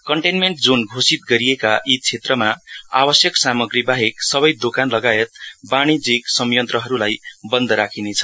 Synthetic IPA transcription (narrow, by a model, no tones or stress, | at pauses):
kʌɳʈenmeɳʈ̚d͡zonɡʱosit̪̚ɡʌɾijekaʔit̪̚t͡sʰet̪rʌmaa̰bʌsjʌksamʌɡɾibaɦeksʌbʌjd̪okanlʌɡaet̪̚baɽ̃id͡ziksʌmjʌnt̪rʌɦʌɾulajbʌnd̪ʌɾakʰinet͡sʰʌ̥